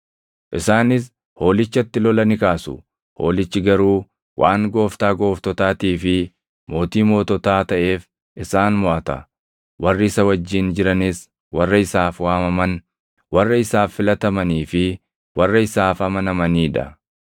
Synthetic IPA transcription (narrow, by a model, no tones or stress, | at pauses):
ʔɪsaːnɪs̬ | ho̞ːlɪt͡ʃːɐt̪ːɪlɔlɐnɪkaːsʊ | ho̞̰ːlɪt͡ʃːɪɡɐɾuː | wʔaːŋɡo̞ːft̪aːɡo̞ːft̪ɔt̪aːt̪iːfɪ | mo̞ːt̪iːmo̞ːt̪ɔt̪aːt̪ɐʔe̞ːf | ʔɪsaːnmɔʔɐt̪ɐ | wɐrːɪɪsɐwɐd͡ʒːiːnd͡ʒɪɾɐnɪs | wɐrːɐɪsaːfwaːmɐmɐn | wɐrːɐɪsaːfːɪlɐt̪ɐmɐniːfɪ | wɐrːɐɪsaːfɐmɐnɐmɐniːᶑɐ̰